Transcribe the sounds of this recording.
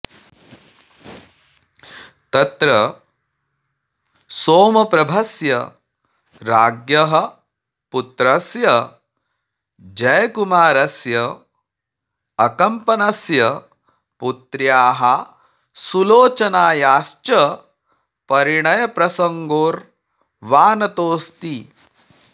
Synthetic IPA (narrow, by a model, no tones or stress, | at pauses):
t̪ɐt̪ɾɐ | soːmɐpɾɐbʱɐsjɐ | ɾaːɡjɐɦɐ̆ | put̪ɾɐsjɐ | d͡ʒɐjkumaːɾɐsjɐ | ɐkɐmpɐnɐsjɐ | put̪ɾjaːɦɐ | suloːt͡ʃɐnaːjaːst͡ʃɐ | pɐɾiɳɐjɐpɾɐsɐŋɡoːɾ | ʋaːnɐt̪oːst̪i